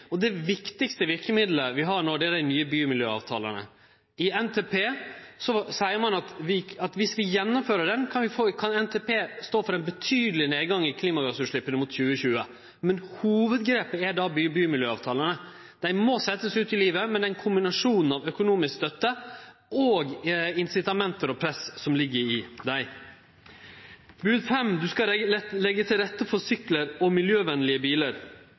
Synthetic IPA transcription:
ɔd̪ɛʋɪkt̪ɪkst̪əʋɪɾkəmɪd̪ləʋɪɦɑɳoːd̪ɛæɖæɪnyːəbyːmɪljø̰ːɑ̰ːʋt̪ʰɑ̰ːlə̰nə̰ | ɪɛnt̪ʰeːpʰeːsɔsæɪəɾmɑnɑt̪ʋɪɑt̪ʋɪsʋɪjɛnːɔmføːɾəɖɛnkʰɑnʋɪfokʰɑnɛnt̪ʰeːpeːst̪oːfɔɾæɪnbət̪ʰyːd̪əlɪneːd̪ɡɑŋːɪkʰliːmɑɡɑsʉʂɭɪpːənəmʊt̪çʉːəçʉːə | mɛnhuːʋəd̪ɡɾeːpəɛɖɑbybyːmɪljøːɑːʋt̪ʰɑːlənə | d̪̥æɪmosɛt̪ːəsʉːt̪ɪliːʋəmɛnd̪ɛnkʰʊmbɪnɑʂuːnən̩ɑʋœkʊnuːmɪskst̪œt̪ːə | oːɡɪnsɪt̪ɑmɛnt̪əɾɔpʰɾɛssɔmlɪɡːəɾɪd̪æɪ | bʉːd̪fɛmd̪ʉskɑlɛɡːət̪ʰɪlɾɛt̪ːəfɔɾsʏkləɾɔmɪljøːʋɛnːlɪəbiːləɾ

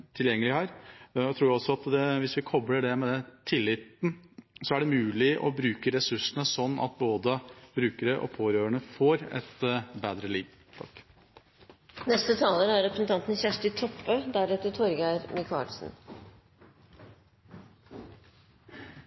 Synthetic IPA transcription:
t̪ʰɪljɛŋːəlɪhæːɾt̪ʰɾuːɾɔsɔɑt̪d̪ɛʋɪsʋɪkʰɔbləɖɛmɛd̪ɛt̪ʰɪlːɪt̪n̩sɔæɖɛmʉːlɪʔɔ̰bɾʉːkəɾɛsʉʂnəsɔnːɑ̰t̪̚boːd̪əbɾʉːkəɾəʔɔ̰pʰoːɾøːɾəɳəfɔɾɛ̰t̪beːd̪ɾəliːʋ | t̪ʰɑ̰k | nɛst̪ət̪ʰɑːləɾəæɾɾɛpɾsənt̪ʰɑnt̪n̩çæʂʈɪt̪ʰɔpːəd̪æɾɛt̪ət̪ʰɔɾɡæɪɾmɪkʰɑ̰ːlsn̩

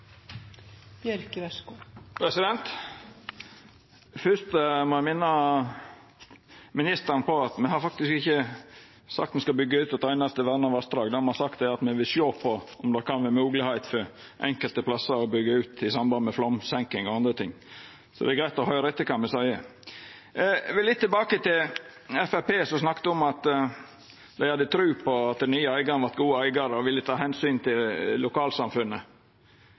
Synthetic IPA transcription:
bjœɾkʋɛskʊpʰɾɛsɪd̪ɛnt̪ | fʏst̪mɔæɪmɪnːə | mɪnɪst̪ənpʰɔɑt̪mɛhɑɾfɑk̚t̪ɪskɪçːə | sɑ̰kt̪mɛskɑbʏɡːəʉːt̪ɛt̪æɪnɑst̪əʋæd̪nɑʋɑst̪ɾɑːɡd̪ɛmɛhɑsɑkt̪ɛɾɑt̪mɛʋɪlʃjoːpʰɔɔmd̪ɑkʰɑnʋɪmʉːɡlɪhæɪt̪fɔɾ | ʔɛ̰ŋkəlt̪əpʰlɑsːəɾɔbʏɡːəʉːt̪ɪsɑmbɑnd̪əmɛflɔmsɛŋkɪŋɔɑnd̪ɾət̪ʰɪŋː | sɔd̪ɛæɡɾæɪt̪ɔhœʏɾəɛt̪ːəkʰɑnmɛsæɪə | ʋɪlɪt̪ːɪlbɑːkət̪ɪlɛfæɾpeːsɔsnɑkt̪əɔmɑt̪ | d̪æɪhɑd̪ːət̪ʰɾʉːpʰɔɑt̪̚d̪ɛnyːəæɪɡɑnəʋɑɾt̪ɡuːəæɪɡɑɾəɔʋɪlːət̪ʰɑːhɛnsyːnt̪ʰɪlːʊkɑːlsɑmfʉnːə

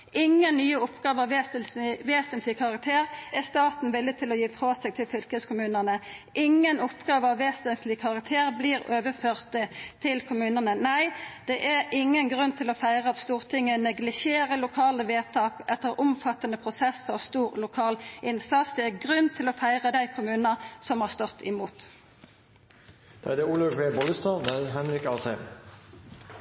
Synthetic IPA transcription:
ʔɪŋːənnyːəʊpɡ̥ɑːʋəɑʋ | ʋeːsənt̪lɪkʰɑʁɑk̚t̪ʰeːʁæst̪ɑːt̪n̩ʋɪlːɪət̪ʰɪlɔjiːfʁɑːsɛɡt̪ʰɪlfʏlkəskʰʊmʉːnəʁnəʔɪŋːənʊpɡɑːʋəɑʋːeːsənt̪ʰlɪkʰɑʁɑkt̪ʰeːʁbliːʁøːʋəføːʁt̪ət̪ʰɪlkʰʊmʉːnəʁnənæɪd̪̥ɛʔæʁɪŋːənɡʁʉnt̪ʰɪlɔfæɪʁəɑt̪st̪uːʁt̪ʰɪŋːənɛɡlɪʃeːʁəlʊkʰɑːləʋeːt̪ʰɑːkɛt̪ːəʁʊmfɑt̪ːənəpʰʁʊsɛsɔst̪uːʁlʊkʰɑːlʔɪnsɑt̪sd̪ɛæʁɡʁʉnt̪ʰɪlɔfæɪʁəd̪æɪkʰʊmʉːnɑʁsɔmhɑːʁst̪ɔt̪ʰːɪmuːt̪ | d̪̥ɑd̪ɛuːlɑɡʋeːbɔləst̪ɑd̪æd̪ɦɛnɾɪkɑːsɛ

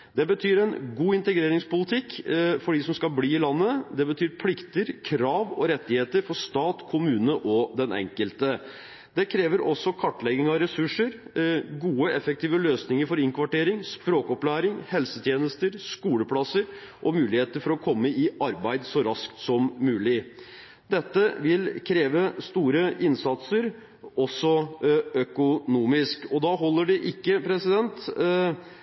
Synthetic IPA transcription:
d̪ɛbət̪ʰyːɾɛnɡuːɪnt̪əɡɾeːɾɪŋspʊlɪt̪ʰɪkːfɔɖisɔmskɑlbliːɪlɑnːəd̪ɛbət̪ʰyːɾpʰlɪkt̪əɾkʰɾɑːʋɔɾɛt̪ːɪheːt̪əɾfɔʂt̪ɑːt̪kʰʊmʉːnəʔɔd̪ɛnʔɛ̰ŋkəlt̪ə | d̪ɛkʰɾeːʋəɾʔɔsːɔkʰɑʈːlɛɡɪŋɑɾɛsʉʂːəɾɡuːəɛfɛk̚t̪ʰiːʋəløːsnɪŋəɾfɔɾɪŋkʰʋɑʈeːɾɪŋspɾoːkɔplæːɾɪŋhɛlsət̪ʰjeːnəst̪əɾskuːləpʰlɑsəɾʔɔmʉːlɪheːt̪əɾfɔɾɔkʰɔmːəɪʔɑɾbæɪd̪sɔɾɑskt̪sɔmmʉːlɪ | d̪ɛt̪ːəʋɪlkʰɾeːʋəst̪uːɾəɪnsɑt̪səɾ | ɔsːɔœkʊnuːmɪskɔd̪ɑɦɔlːəɖɪʔɪkːəpʰɾɛsɪd̪ɛnt̪

